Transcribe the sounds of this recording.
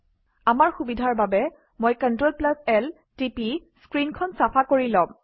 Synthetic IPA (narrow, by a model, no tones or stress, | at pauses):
amaɹxubidʱaɹbabɛ | mojkantɹolplasɛl | tipiskɹinkʰɔnsapʰakoɹilɔ̃m